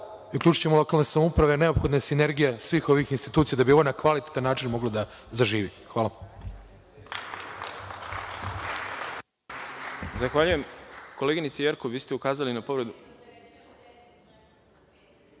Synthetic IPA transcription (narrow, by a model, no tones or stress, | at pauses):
ukʎʲuːt͡ʃu̥t͡ɕemolo̞kalnesamoupɾaʋe̞ne̞opxo̞d̪nesine̞ɾɡijasʋiːxo̞ʋixinst̪i̥t̪uːt̪sijad̪abio̞ʋonakʋalit̪e̥t̪anːaːt͡ʃinmo̞ɡlod̪a | zaʒiːʋixʋaːla | zaxʋaʎujemko̞leɡinit̪sejeɾkoiːst̪eukaːzalinapo̞ʋɾed̪u